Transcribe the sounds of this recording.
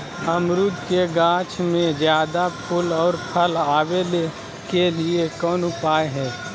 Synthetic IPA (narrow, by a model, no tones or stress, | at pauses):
əmɾʊd̪keɡãːt͡ʃmẽzjaːd̪apʰʊlɔːɾpʰəlaːwele | keliekɔːnʊpaːeɦɛː